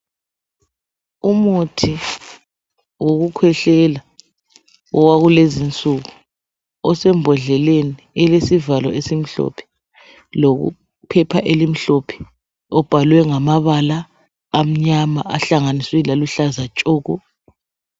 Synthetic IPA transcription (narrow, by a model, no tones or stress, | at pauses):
umutʰi | woɣukʰwɛɬɛla | ɔwaɣulezint͡sʼuɣu | ɔsɛmbʱɔɮɛleniɛlesivalɔʔesim̩ɬɔ̰pʰɛ̥ | loɣṵ | pʰɛpʰaʔelim̩ɬopʰɛ̥ | ɔb̥ʱalwɛŋamaβalaː | m̩ɲamaʔaɬaŋaniswɛlaluɬazat͡ʃʼoːɣu